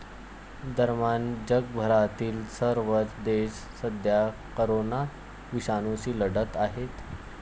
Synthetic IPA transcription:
d̪ʱəɾmand͡ʑəɡ̚bʱəɾat̪iːlsəɾʋət͡sd̪eɕ | səd̪ʱja | kəɾona | ʋiɕanusiːləɽət̪aɦet̪

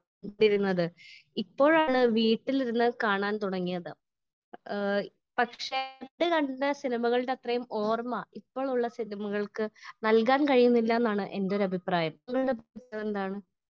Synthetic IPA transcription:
ɖiɾunːɐðɨipːo̞ːɻaːɳɨʋiːʈːiliɾunːɨkaːɳaːnt̪uɽɐŋːijɐðɨ | pɐkʂeɖɨkɐɳɖɖɐsinimɐɣɐɭɽeɐt̪rɐjumo̞ːrmɐipːo̞ːɭuɭːɐsinimɐɣɐɭkɨnɐlk̬aːnkɐɻijunːilːɐenːaːɳɨʔe̞ndeo̞ɾɐbʱipraːjɐmɐŋːɐɭɨɽebɐit͡ɕːɐðend̪aːɳɨ

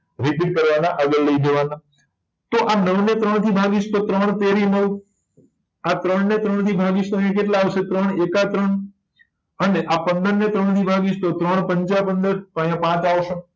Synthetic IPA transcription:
ɾipiʈ̚kəɾʋanaʔaɡəlləid̪eʋana | t̪oʔanəʋnet̪ɾəɳ̃t̪ʰibʱaɡit͡ʃʰt̪ot̪ɾəɳ̃t̪eɾiməw | at̪ɾəɳnet̪ɾəɳt̪ʰibʱaɡit͡ʃt̪oəjãk̬eʈlaːʋʃet̪ɾəɳ̃ekat̪ɾəɳ | əneʔapənd̪əɾnet̪ɾəɳ̃t̪ʰibʱaɡit͡ʃʰt̪ot̪ɾəɳ̃pəɲt͡ʃapənd̪əɾt̪oəjãpãt͡ʃaʋoʃo

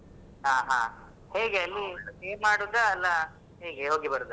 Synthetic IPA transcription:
ɦãːɦãː | he̞ːɡeɐlːieːmːaːɽud̪ɐːlːɐ | ɦeːɡeɦoːɡibɐɾud̪u

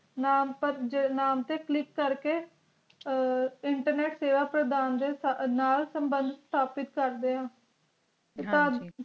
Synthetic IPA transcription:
naːmpəɾd͡ʒenaːmt̪eːklɪkːəɾkeː | ɪɳʈəɾnɛːʈseːʋaːpɾəd̪aːnd̪eːnaːlsəmbənd̪ʱst̪ʰaːpɪt̪̚kəɾd̪eːãː | et̪ãː

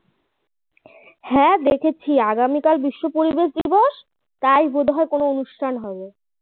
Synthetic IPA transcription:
hɛ̃d̪ekʰet͡ɕʰiaɡamikalbiʃːopoɾibeʃd̪ibɔʃ | t̪ajbod̪ʱɦɔekonoonuʃʈʰanɦɔbe

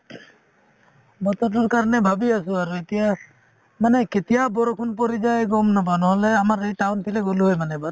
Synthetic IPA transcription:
bɔt̪ɔʈ̬ɔɾkaɾnebʱabiasuaɾuet̪ija | maneket̪ijabɔɾɔkʰunpɔɾid͡ʒajɡɔmnabanɔɦɔleamaɾejʈawnt̪ʰileɡuluɦojmanebaɾ

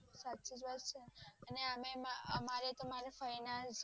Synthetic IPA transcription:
satːʃid͡ʒʋaɾt͡ʃʰeəneəmemaəmaɾet̪omaɾefəjnad͡ʒ

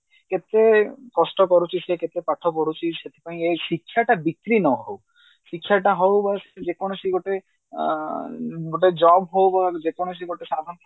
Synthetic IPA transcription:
ket̪ekɔsʈɔkɔɾut͡ʃʰiseket̪epaʈʰɔpɔɽut͡ʃʰiʃet̪ʰi̥paĩesikʰːjaʈabit̪ɾinɔɦow | ʃikʰːjaʈaɦɔwbase̥d͡ʒekoñoʃiɡoʈe | ɡoʈed͡ʒɔbɦowbad͡ʒekoñoʃ̬iɡoʈesad̪ʱɔnt̪ʰ

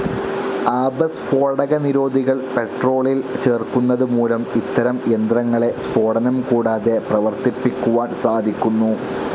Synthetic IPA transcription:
aːbɐsfo̞ːɖɐɣɐniɾo̞ːd̪ʱiɣɐɭpe̞ʈro̞ːɭilt͡ɕeːrkunːɐðɨmuːlɐmit̪ːɐɾɐmjend̪rɐŋːɐɭe̞sfo̞ːɽɐnɐmkuːɽaːðe̞prɐʋɐrt̪ipːikʲːuʋaːnsaːd̪ʱikʲːunːu

